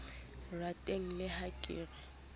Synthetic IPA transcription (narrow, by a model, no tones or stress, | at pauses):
ratʼeŋ̩lɪhakʼɪ̰ːrɛ